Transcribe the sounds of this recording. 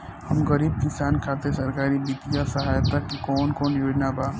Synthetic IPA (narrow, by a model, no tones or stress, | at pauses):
hɐmɣɐɾiːb̚kɪsaːnkʰaːt̪esɐɾkaːɾibiːt̪ijasɐɦaːjət̪ːakikɔːnkɔːnjoːd͡ʒnabaː